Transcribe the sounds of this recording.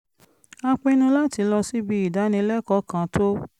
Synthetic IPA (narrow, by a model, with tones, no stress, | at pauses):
a˧k͡pẽ˧˦nũ˧la˦ti˨˧˦lɔ˧si˦bi˦i˦˨da˨˦nĩ˧˦lɛ˦kɔ˦kã˨˦to˦